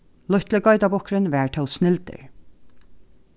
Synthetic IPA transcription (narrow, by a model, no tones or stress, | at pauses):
lʊht̪ləɡɔʏt̪abɔhkɾɪnʋɛːɹt̪ʰɛwsnɪlt̪ɪ̰ɹ